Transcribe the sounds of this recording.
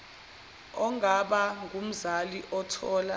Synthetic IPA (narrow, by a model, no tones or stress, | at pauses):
ɔŋʱaɓaŋɡʱum̩zaliʔɔtʰɔːla